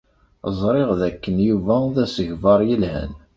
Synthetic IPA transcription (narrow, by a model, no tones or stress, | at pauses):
zˤɾˤeʁðækːənjuvæðæsəʝvɑɾˤjəlhæ̰n